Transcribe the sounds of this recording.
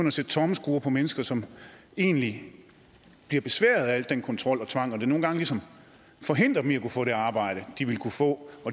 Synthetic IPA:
øn̰ɐæsed̥t͡sʰɒməsɡ̥uːɐpʰɒ̽menəsɡ̥ɐsɒ̽m | e̝̰ːnli | b̥liɐb̥e̝sʋæ̰ːɐð̩ˠææl̰d̥enkʰɒ̽nt͡sʰʁɒ̽l̰ɒ̽t͡sʰʋɑ̈ŋ̰ɒd̥e̝no̝ːn̩ɡɑ̈ŋəlisɒ̽m | fɒ̽ɦe̝n̰d̥ʁɐbmiækufɔ̰ːɾe̝ɑ̈ːb̥ɑ̈ɪ̰ɾ̥əd̥iʋe̝lkʰufɔ̰̽ːɒ̥̽

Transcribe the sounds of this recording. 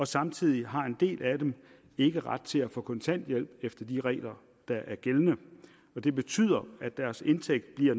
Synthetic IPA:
ɒ̽sɑ̈mt͡sʰið̰ˠiɦɑ̈e̝nd̥e̝̰ːlʔæd̥em | e̝ɡ̥əʁɑ̈d̥̚t͡sʰe̝æfɔ̰̽ːkʰɒ̽nt͡sʰæn̰d̥jel̰b̥efd̥ɐd̥iʁɛ̰ːlɐ | d̥ɑ̈ʔæɐɡ̥elnə | ɒ̽d̥e̝b̥e̝t͡sʰy̰ːð̰ˠɐæd̥æɐse̝nt͡sʰeɡ̥̚d̥̚b̥liɐ̰

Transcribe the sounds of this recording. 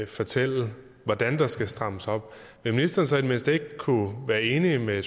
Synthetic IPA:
fɒ̽t͡sʰel̰ə | ʋɒd̥ænd̥ɑ̈sɡ̥æsd̥ʁɑ̈m̰əsɒ̽b̥ʋeminisd̥ɐːnsɛd̥me̝n̰sd̥e̝ɡ̥kʰːuʋæːɐe̝ːnime

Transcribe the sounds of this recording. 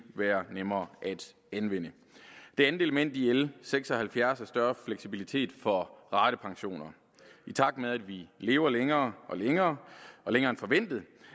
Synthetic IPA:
ʋæːɐnemɐːʔæd̥ | ænʋen̰ə | d̥e̝ænð̩ˠe̝ləmen̰d̥ielseɡ̥sɒ̽hælfjæɐsæɐsd̥ɶɐfleɡ̥sibilit͡sʰe̝̰ːd̥fɒ̽ʁɑ̈ːd̥əpʰɑ̈ŋɕo̝̰ːnɐ | it͡sʰɑ̈ɡ̥d̥meðˠæd̥ʋile̝ːʊɐleŋɐːɒ̽leŋɐːɒ̽leŋɐːnfɒ̽ʋen̰d̥ð̩ˠ

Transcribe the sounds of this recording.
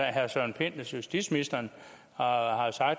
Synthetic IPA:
ɦæɐsɒnpʰe̝n̰d̥ɐsjusd̥id̥sminisd̥ɐn | hɑ̈sɑ̈ɡ̥̚

